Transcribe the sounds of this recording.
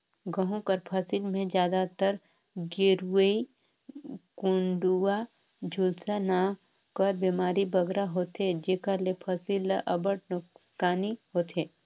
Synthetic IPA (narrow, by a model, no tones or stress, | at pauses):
ɡəɦũkəɾpʰəsɪlmẽd͡ʒjaːd̪at̪əɾ | ɡeɾəi | kʊ̃ɳɖua | d͡ʒʱulsana | kəɾbeːmaːɾibəɡɾaɦoːt̪ed͡ʒeːkəɾlepʰəsɪlʔɐbəʈ̚nʊkskaːniɦoːt̪eː